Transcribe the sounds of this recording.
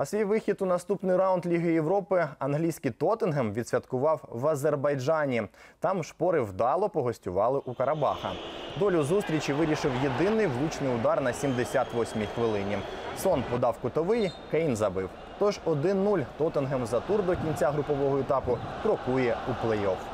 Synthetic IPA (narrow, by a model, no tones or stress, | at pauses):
ɐsʋʲijʋɪxʲid̪ʊnɐst̪upnɪjɾɑwʊnd̪lʲiɦɪjeʋɾɔpɪɐnɦlʲijsʲkʲit̪ɔt̪ɪnɦɛmʋʲid̪̥ʲsʲʋʲɐt̪kʊʋɑwʋɐzerbɐjd͡ʒɑnʲit̪ɑmʃpɔɾɪwd̪ɑlˠɔpɔɦɔsʲtʲʊʋɑlˠɪʔukɐɾɐbɑxɐ̰d̪ɔlʲʊzust̪ɾʲit͡ʃiʋɪɾʲiʃɪwjed̪ɪnɪjʋlˠut͡ʃnɪjʊd̪ɑrnɐsʲimd̪esʲat̪ʋɔsʲmʲixʋɪlˠɪnʲisɔnpɔd̪ɑwkʊt̪ɔʋɪjkɛjnzɐbɪw | t̪ɔʒɔd̪ɪnːulʲt̪ɔt̪ɪnɦemzɐt̪urd̪ɔkʲinʲt͡sʲaɦɾʊpɔʋɔɦɔɛt̪ɑpʊkɾɔkujɛuplˠɛjɔf